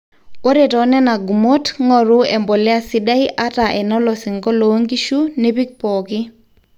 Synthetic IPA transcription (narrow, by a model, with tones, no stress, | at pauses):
o˦ɾe˨tɔ˨˦nɛ˦na˨ɡu˨mo˦tŋɔ˦˨ɾʊ˦ɛ˨mbɔ˨lɪ˦a˦sɪ˦da˦i˦ʔa˦ta˨ʔɛ˨nɔ˦lɔ˨sɪ˨ŋɡɔ˦lo˨˦ŋɡi˦ʃu˦nɛ˦pi˦k̚pɔ˨kɪ˦